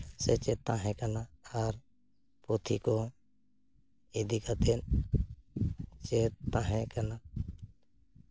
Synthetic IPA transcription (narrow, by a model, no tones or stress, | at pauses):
set͡ʃet̪ãːɦẽkənaaːɾ | pot̪ʰḭko | ed̪ʱikət̪en | t͡ʃet̪ãːɦẽkəna